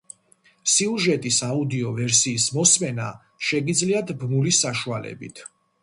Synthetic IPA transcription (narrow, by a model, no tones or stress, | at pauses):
siuʒɛt̪ʼisaud̪iɔvɛɾsiːsmɔsmɛna | ʃɛɡid̪zliat̪ʰbmulisaʃualɛ̰bḭt̪ʰ